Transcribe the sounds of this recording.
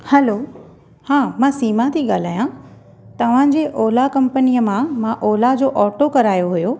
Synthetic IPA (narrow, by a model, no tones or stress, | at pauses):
hɛlo | hãːmãːsiːmat̪ʰiɠaːl̤aːjã | t̪ɐʋ̤ãd͡ʑeːʔɔːlakɐ̃mpənijəmãmãʔɔːlad͡ʑoːʔɔːʈokɐɾaːjoɦʊjoː